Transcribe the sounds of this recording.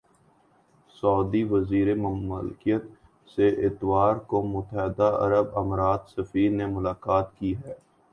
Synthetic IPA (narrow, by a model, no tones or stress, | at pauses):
sɔːd̪iʋəziːɾemlkijət̪ | seʔɪt̪ʋaːɾkomʊt̪əɦd̪aɐ̰ɾəbɐmɾaːt̪sɐfiːɾnemʊlaːkaːt̪kiɦɛː